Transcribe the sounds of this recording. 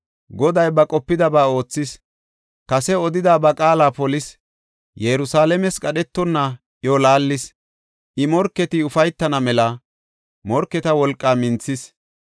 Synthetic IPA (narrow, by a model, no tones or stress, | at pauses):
ɡɔd̪ɐjbɐkʼɔpːɪd̪ɐbaːo̞ːt͡sːɪs | kɐsɛɔd̪ɪd̪aːbɐkʼaːlaːpɔlɪs | jɛɾʊsaːlɛmɛskʼɐɗɛt̪ːɔnːɐ | jɔlaːlːɪs | ʔɪmɔɾkːɛt̪ɪʊfɐjt̪ːɐnɐmɛlɐ | mɔɾkːɛt̪ɐwɔlkʼːaːmɪnt͡sːɪs